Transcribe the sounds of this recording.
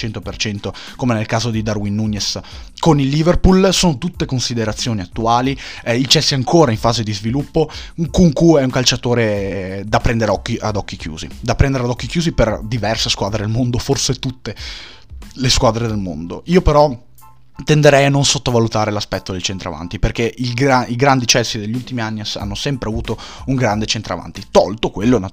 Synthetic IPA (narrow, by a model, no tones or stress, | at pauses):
t͡ʃɛnt̪opert͡ʃɛnt̪o | komenelkaːzod̪id̪arwinːunːeskonilːiverpulsoːnot̪ut̪ːekonsid̪eɾat̪sːjoːniat̪ːuaːliilt͡ʃɛsːiaŋkʰoːɾaiɱfaːzed̪izvilupːoŋkuŋkuɛuŋkalt͡ʃat̪oːɾed̪apːɾɛnd̪eɾeɔkːiʔad̪ɔk̟ːikjṵːzḭd̪apːɾɛnd̪eɾead̪ɔkːikjuːziperd̪ivɛrseskwaːd̪ɾed̪elmond̪oforset̪ut̪ːe | leskwaːd̪ɾed̪elmo̰nd̪oiːopeɾɔ | t̪end̪eɾɛjanːonsot̪ːovalut̪aːɾelaspɛt̪ːod̪elt͡ʃent̪ɾa̰va̰nt̪iperk̟eilɡaiɡɾand̪it͡ʃɛsːid̪eʎːult̪imianːiasa̰nːosɛmpɾeavuːt̪ouŋɡɾand̪et͡ʃent̪ɾa̰va̰nt̪it̪ɔlt̪okwelːona